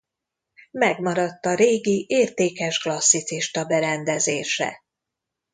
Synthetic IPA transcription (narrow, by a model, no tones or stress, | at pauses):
mɛɡmɒɾɒt̪ːɒɾeːɡiʔeːrt̪eːkɛʒɡlɒsːit̪siʃt̪ɒbɛɾɛnd̪ɛzeːʃɛ̰